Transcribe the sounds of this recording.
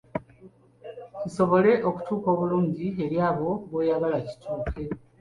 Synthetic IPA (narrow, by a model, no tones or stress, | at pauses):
ciso̞βo̞le̞ʔo̞ku̥tuːko̞ːβuluːɲɟie̞ɾjaːβo̞βwojaɡalaci̥tʰuːkʰe̞